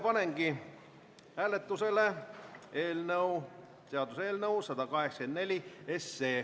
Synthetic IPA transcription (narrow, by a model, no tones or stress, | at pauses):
pɑneŋɡi | æːle̞t̪ːˑuse̞lee̞ːlnɤw | t̪e̞ɑd̪use̞ːlnəusɑd̪̥ɑkɑɦeksɑke̞nd̪nelʲie̞se̞ː